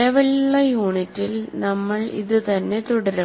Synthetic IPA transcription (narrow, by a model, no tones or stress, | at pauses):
eʋɐɭɭːɐjuːɳitːilnɐmːɐɭḭðɨt̪ɐnːe̞t̪uɽɐɾɐ